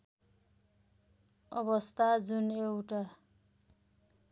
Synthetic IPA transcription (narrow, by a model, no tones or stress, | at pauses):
ʌ̰bʌst̪ʰad͡zunewʈa